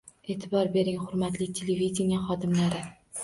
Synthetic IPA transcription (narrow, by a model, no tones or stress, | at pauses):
e̞ːt̪ʰɪbɒɾbe̞ɾɪŋhʊɾmat̪lɪt̪ʰe̞levid̪ʲenijaχɒd̪ɪmlaɾɪ